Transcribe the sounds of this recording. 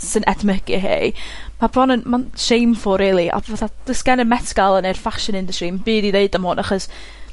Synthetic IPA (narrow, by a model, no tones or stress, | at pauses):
sɨnʔɛdməɡ̥ɨɦḛjmabʰrɔnənmanʃejmfɔɾiːlˠiʔa̰vaθad̥əskɛnənmɛtʰɡalˠənerfaʃɪnɪndəstrimbiːdiðeɨdamhoːnʔaχɔs